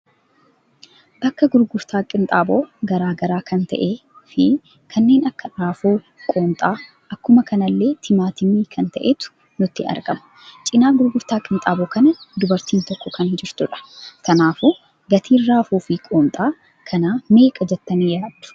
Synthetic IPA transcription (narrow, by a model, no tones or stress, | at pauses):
bɐkːɐɡʊɾɡʊɾt̪aːkʼɪnt̪ʼaːbo̞ːɡɐɾaːɡɐɾaːkʰɐnt̪ɐ̰ʔeːfɪ | kʰɐnːe̞ːnɐkːɐɾaːfuː | kʼo̞ːmt̪ʼaː | ʔɐkːʊmɐkʰɐnɐlːe̞ːt̪ʰɪmaːt̪ɪmiːkʰɐnt̪ɐʔet̪ʊ̥ | nʊt̪ːɪɐ̰ɾɡɐmʊ̥ | t͡ʃʼɪnaːɡʊɾɡʊɾt̪aːkʼɪnt̪ʼaːboːkɐnɐd̪ʊbɐɾt̪iːnt̪ɔkːɔkɐnhɪd͡ʒɪɾt̪ʊᶑɐ̥kɐnaːfu | ɡɐt̪ʰiːnraːfuːfɪkʼo̞ːmt̪ʼaː | kʰɐnaːme̞ːkʼɐd͡ʒɛt̪ːɐniːjɾaːd̪̥ʊ̥